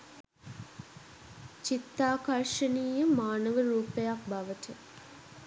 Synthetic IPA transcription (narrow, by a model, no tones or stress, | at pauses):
t͡ʃit̪ːaːkarʂəniːjəmaːnəʋəɾuːpejak̚baʋəʈə